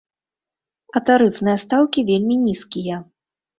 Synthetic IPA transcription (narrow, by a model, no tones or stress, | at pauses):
ɐt̪aɾɨfnɨjɐst̪awkʲivʲelʲmʲinʲiskʲijɐ